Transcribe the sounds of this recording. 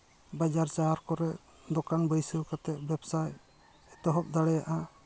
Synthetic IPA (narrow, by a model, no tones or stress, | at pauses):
bad͡ʒaɾt͡ʃaaɾkɔɾɛʔ | d̪ɔkanbəjsəkat̪ɛʔ̚bɛbsaj | ɛt̪ɔɦɔp̚d̪aɽɛjaʔa